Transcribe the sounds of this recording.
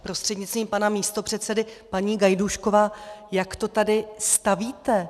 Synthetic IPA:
pɾo̞st̪r̥ɛdɲɪt̪t͡st̪viːmpanamiːst̪o̞pr̝̥ɛt̪sɛdɪpaɲiːɡajduʃko̞vaːjakt̪o̞t̪adɪst̪aviːt̪ɛ

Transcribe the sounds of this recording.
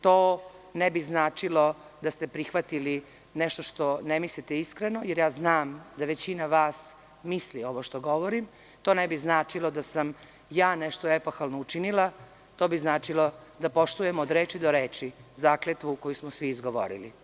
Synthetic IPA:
t̪oː | nɛbiznaːt͡ʃilo̞d̪ast̪epɾixʋat̪ili | neʃt̪oʃt̪o̞nemislit̪eiskɾenojeɾjaːznaːmd̪aʋet͡ɕinaʋaːs | mislio̞ʋoʃt̪oɡo̞ʋoɾim | t̪oːnebiznaːt͡ʃilˠod̪asam | jaːneʃt̪oepoxalˠnout͡ʃinilˠa | t̪oːbiznaːt͡ʃilo̞d̪apo̞ʃt̪uje̞mːd̪ɾeːt͡ʃid̪oɾeːt͡ʃizaːklet̪ʋukojusmosʋiːzɡoʋo̰ɾḭli

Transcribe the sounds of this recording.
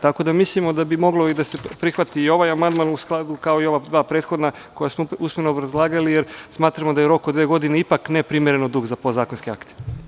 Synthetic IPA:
t̪ako̞d̪amislimo̞d̪abimo̞ɡlo̞id̪ase̞pɾixʋat̪iːo̞ʋajamand̪manusklˠad̪ukao̞io̞ʋad̪ʋaːpɾeːt̪xo̞d̪na | ko̞jasmousmenoːbɾazlˠaːɡalijeɾsmaːt̪ɾamod̪ajeɾo̞kod̪ʋeːɡo̞d̪ineipaknepɾimjeɾenod̪uːɡzapozaːkonskea̰kt̪e̥

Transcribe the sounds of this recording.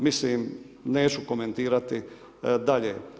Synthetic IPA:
misliːm | ne̞ːt͡ʃuko̞me̞nt̪iːɾat̪i | d̪aʎḛː

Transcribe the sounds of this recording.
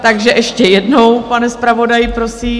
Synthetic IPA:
t̪aɡʒɛʔɛʃcɛjɛdno̞wpanɛspɾavo̞dajɪpɾo̞siː

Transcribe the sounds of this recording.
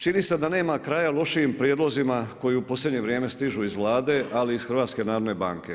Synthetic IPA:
t͡ʃinise̞d̪ane̞ːmakɾajalˠo̞ʃiimpɾjed̪lˠo̞zimako̞jiupo̞slʲe̞d̪ɲe̞ʋɾjeːme̞st̪iʒuizʋlˠaːd̪e̞ʔaliːsxɾʋaːt̪ske̞naːɾod̪ne̞ba̰ːŋke̞

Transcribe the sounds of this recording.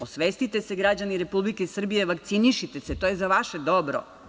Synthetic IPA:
osʋest̪it̪e̞se̞ɡɾad͡ʑaniɾe̞publikesr̩bije̞ʋakt̪siniʃit̪e̞set̪o̞jezaʋaʃe̞d̪obɾo̰

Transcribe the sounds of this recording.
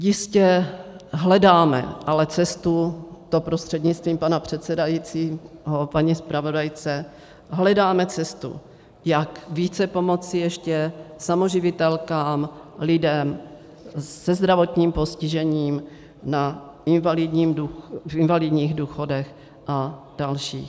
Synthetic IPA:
jɪscɛ | ɦlɛdaːmɛ̰ʔalɛt͡sɛst̪ut̪opɾost̪r̥ɛdɲɪt͡st̪viːmpanapr̝̥ɛt̪t͡sɛdajit͡siːɦopaɲispɾavo̞dajt͡sɛ | ɦlɛdaːmɛt͡sɛst̪ṵ | jakviːt͡sɛpo̞mo̞t͡sɪjɛʃcɛsamo̞ʒɪvɪt̪ɛlkaːmlɪdɛm | sɛzd̪ɾavo̞t̪ɲiːmpo̞scɪʒɛɲiːm | na | ɪnvalɪdɲiːmdufɪnvalɪdɲiːɣduːxo̞dɛx | ʔa | d̥alʃḭːx

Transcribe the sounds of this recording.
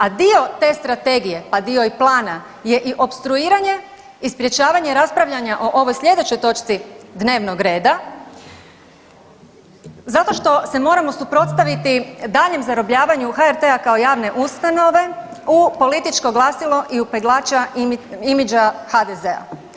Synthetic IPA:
ad̪io̞t̪e̞st̪ɾat̪e̞ɡije̞pad̪io̞iplˠaːna | je̞ʔiʔo̞pst̪ɾuiːɾaɲe̞ | ispɾje̞t͡ʃaːʋaɲeɾaspɾaʋʎaɲaʔo̞ʔo̞ʋo̞jslʎʲed̪e̞t͡ɕo̞jt̪o̞t͡ʃt̪sid̪ne̞ːʋno̞ɡɾe̞ːd̪a | zat̪o̞ʃt̪o̞se̞mo̞ːɾamo̞supɾo̞t̪st̪aʋit̪id̪aːʎe̞mzaɾo̞bʎaːʋaɲuxaeɾt̪eakao̞jaːʋne̞ʔust̪ano̞ʋe̞upo̞lit̪it͡ʃko̞ɡlˠasilˠo̞ʔiupeɡlˠaːt͡ʃaimid͡ʒaxad̪eze̞a̰

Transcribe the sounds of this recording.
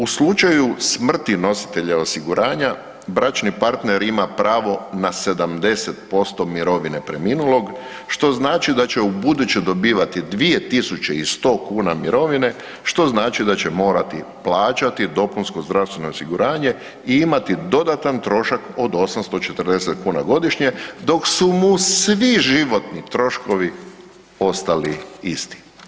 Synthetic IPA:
uslˠut͡ʃajusmr̩t̪ino̞si̥t̪e̞ʎao̞siɡuɾʔaːɲa | bɾat͡ʃnipaɾt̪ne̞ɾimapɾaːʋo̞nase̞d̪amd̪e̞se̞t̪̚po̞st̪o̞miɾo̞ʋinepɾe̞miːnulo̞ɡ | ʃt̪o̞znaːt͡ʃid̪at͡ɕe̞ubud̪ut͡ɕed̪o̞biːʋat̪id̪ʋie̞t̪isut͡ɕe̞ist̪o̞ːkuːnamiɾo̞ʋine̞ | ʃt̪o̞znaːt͡ʃid̪at͡ɕe̞mo̞ːɾat̪iplˠaːt͡ɕat̪id̪o̞punsko̞zd̪ɾaʋst̪ʋenoːsiɡuɾaːɲe̞ | iimat̪id̪o̞d̪at̪ant̪ɾo̞ʃako̞d̪o̞samst̪ot͡ʃe̞t̪r̩d̪eset̪kuːnaɡo̞d̪iʃɲe̞d̪o̞ksumusʋiʒiʋo̞t̪nit̪ɾo̞ʃko̞ʋi | o̞st̪aliist̪i̥

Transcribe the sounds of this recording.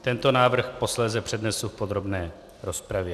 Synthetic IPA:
t̪ɛnt̪o̞naːvr̩xpo̞slɛːzɛpr̝̥ɛd̪nɛsufpo̞d̪ɾo̞bnɛː | ɾo̞spɾavjɛ

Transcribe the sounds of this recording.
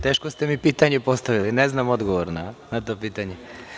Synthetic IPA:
t̪e̞ːʃkost̪e̞mipiːt̪aɲepo̞st̪aʋilineznamo̞d̪ɡoʋoɾnanat̪o̞ːpiːt̪aɲe

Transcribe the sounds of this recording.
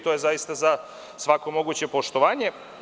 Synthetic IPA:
t̪ojezajist̪aza | sʋako̞mo̞ɡut͡ɕe̞po̞ʃt̪oʋaːɲe̞

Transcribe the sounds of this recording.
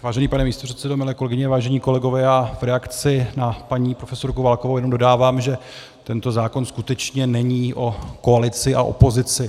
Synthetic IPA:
vaːʒɛniːpanɛmiːst̪opr̥ɛt̪sɛdomɪlɛːkolɛɡɪɲɛvaːʒɛɲiːko̞lɛɡo̞vɛːjaːvɾɛakt͡sɪnapaɲiːpɾo̞fɛso̞ɾkowvalkovowjɛnomdo̞daːvaːmʒɛ | t̪ɛnt̪o̞zaːko̞nskut̪ɛt͡ʃɲɛnɛɲiːʔo̞ko̞alɪt͡sɪʔa̰ʔo̰po̞zɪt͡sɪ

